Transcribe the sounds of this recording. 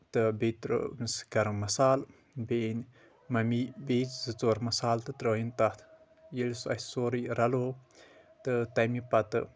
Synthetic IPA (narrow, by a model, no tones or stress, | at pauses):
t̪ɨbet̪ɾo̰nsɡɐɾɐmɐsaːl | ben | mɐmibet͡szɨt͡soːɾmɐsaːlt̪ɨt̪ɾoːjint̪at̪ʰ | jelsɐsoːɾiɾɐloː | t̪ɨt̪ɐmipɐt̪ɨ̰